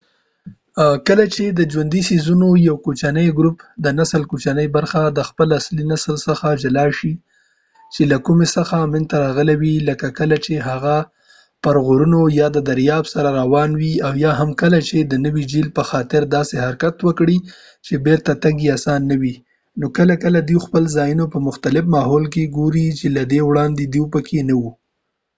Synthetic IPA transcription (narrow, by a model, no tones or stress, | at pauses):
kəlat͡ʃed̪əd͡ʒwand̪isizunojawkot͡ʃanəjɡɾupd̪ənasəlkot͡ʃanəjbaɾxad̪əxpəlaslinasəlsəxad͡ʒalɑʃi | t͡ʃelakumesəxamɪnt̪aɾɑɣəlawiləkakəlat͡ʃeɦaɣa | pəɾɣoɾunojɑd̪əd̪aɾjɑbsaɾaɾawɑnwiawjɑɦamkəlat͡ʃed̪ənəwid͡ʒilpəxɑt̪ɪɾd̪ɑseɦaɾkat̪wəkɽi | t͡ʃebeɾt̪at̪aŋɡiasɑnːawi | nokəlakəlad̪iwxpəlzɑjunopəmʊxt̪alɪfmɑɦolk̬eɡoɾit͡ʃelad̪ewɽɑnd̪ed̪uwpəkʰenawu